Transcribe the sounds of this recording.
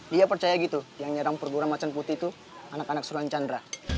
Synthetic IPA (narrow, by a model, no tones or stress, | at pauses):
diapərt͡ʃajaɡit̪ujaŋɲəɾaŋpərɡuɾaŋmat͡ʃanput̪it̪u | anakanak̚suɾuant͡ʃandɾa